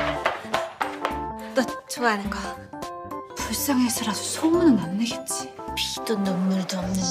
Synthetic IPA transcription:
t͈ot͡ɕoanɯnɡʌ | puɭs͈aŋesʰɯɾasʰosʰomunɯnanːeɡet̚t͡ɕ͈i̥pitonʌmːuɭtʌmnɯn

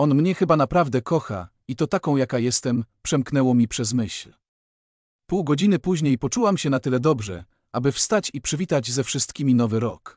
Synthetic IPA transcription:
ɔnmɲɛxɘbanapɾavd̪ɛkɔxa̰ | it̪ɔt̪akɔ̃w̃jakajɛst̪ɛmpʂɛmknɛwɔmʲipʂɛzmɘɕl | puwɡɔd͡ʑinɘpuʑɲejpɔt͡ʂuwamɕɛnat̪ɘlɛd̪ɔbʐɛ̰ | abɘfst̪at͡ɕipʂɘvʲit̪ad͡ʑzɛfʂɘst̪̚kʲimʲinɔvɘɾɔk

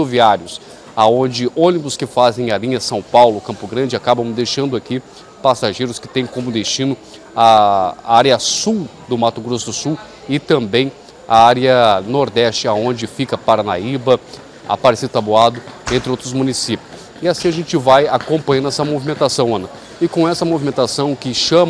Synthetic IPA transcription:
oviaɾjʊs | aõd͡ʒɪʔõnibʊskɪfazẽj̃alĩɲɐsɐ̃w̃pawlʊkɐ̃mpʊɡɾɐ̃d͡ʒɪakabɐ̃w̃d̪ejʃɐ̃nd̪ʊaki | pasaʒejɾʊskɪ̥t̪ẽj̃kõmʊd̪est͡ʃĩnʊ | aaɾjɐsuw | d̪ʊmat̪ʊɡɾosʊd̪ʊsuw | ɪt̪ɐ̃mbẽj̃ | aaɾiɐnoɾd̪ɛst͡ʃɪaõd͡ʒɪfikɐpaɾanaibɐ | a̰paɾesid̪ʊt̪aboad̪ʊẽnt̪ɾɪowt̪ɾʊzmũnisipjʊss | ɪasĩɐʒẽnt͡ʃɪvajakõmpɐ̃j̃ɐ̃nɛsɐmovimẽnt̪asɐ̃w̃ɐ̃nɐ | ɪkõw̃ɛsɐmovimẽnt̪asɐ̃w̃kɪʃɐ̃m

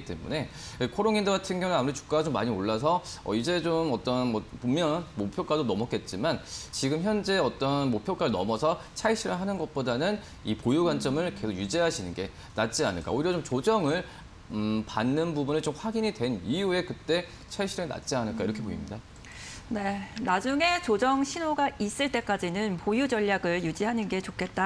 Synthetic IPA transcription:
it͈e̞̰mṵne̞ | kʰoɾoŋindoɡatʰɯnɡjʌŋunamuɾit͡ɕu̥k͈aɡat͡ɕomːa̰ɲioɭːas̬ʰʌʌ̰id͡ʑe̞t͡ɕomʌt͈ʌnʌpomjʌnmopʰjok͈adonʌmʌk͈e̞t̚t͡ɕ͈imant͡ɕiɡɯmçjʌnd͡ʑe̞ʌt͈ʌnmopʰjok͈aɾɯɭnʌmʌsʰʌt͡ɕʰaɭɕ͈ʰiɾɯɭɦanɯnɡʌt̚p͈odanɯn | ipojuɡwant͡ɕ͈ʌmɯɭke̞sʰokjud͡ʑiɦaɕʰinɯnɡe̞ | nat̚t͡ɕ͈ianɯɭk͈a̰oiɾjʌt͡ɕomt͡ɕod͡ʑʌŋɯɭ | panːɯnbubunɯɭt͡ɕomɸwaɡiɲidwe̞nijue̞kɯt͈e̞ | t͡ɕʰaɭɕʰiɾɯna̰t̚t͡ɕ͈ianɯɭk͈aiɾʌkʰe̞poimɲida | ne̞nad͡ʑuŋe̞t͡ɕod͡ʑʌŋɕʰinoɡais͈ɯɭt͈e̞k͈ad͡ʑinɯnpojud͡ʑʌʎːaɡɯɭjud͡ʑiɦanɯnɡe̞t͡ɕokʰe̞t̚t͈a

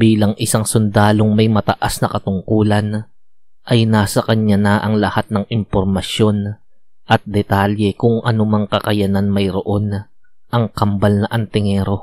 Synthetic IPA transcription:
biːlɐŋʔɪsaŋsʊnd̪aːlo̞ŋmɐjmɐt̪ɐʔasnɐkɐt̪ʊŋkuːlɐn | ʔɐjnaːsɐkɐɲːanɐʔɐŋlɐhat̪̚nɐŋɪmpoɾmɐsjo̞n | ʔɐt̪̚d̪ɛt̪aljɛkʊŋʔɐ̰nʊmaŋkɐkɐjananmɐjɾo̞ʔo̞nʔɐŋkɐmbɐlnɐʔɐnt̪ɪŋɛːɾo̞

